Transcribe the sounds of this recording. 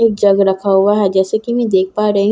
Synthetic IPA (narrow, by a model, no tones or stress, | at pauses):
eːk̚d͡ʒɐɡɾɐkʰaɦuaɦɛd͡ʒɛːsekimɛ̃d̪eːk̚ʰpaːɾɐɦ